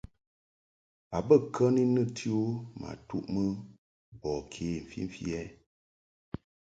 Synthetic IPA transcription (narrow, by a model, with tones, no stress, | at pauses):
a˨bə˦˨kʰə˦ni˦nə˦˨tʰi˦o˦ma̰˨tṵ˦ʔmə˦ | bɔ˨kʰeː˨m̩˨fḭ˦m˨fjɛ˦